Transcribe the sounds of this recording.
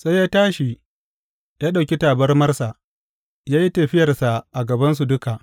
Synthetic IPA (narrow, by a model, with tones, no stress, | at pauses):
sa˦jaː˦taː˦ʃi˨ | jaː˦ɗa˨wkʲi˦taː˨bɐ˦rmɐ˦rsa˨ | jaː˦ji˦tɐ˨ɸɪ˦jɐ˨rsa˨ʔa˨ɡɐ˨bɐ˦ns̬u˨dʊ˦ka˨ʔ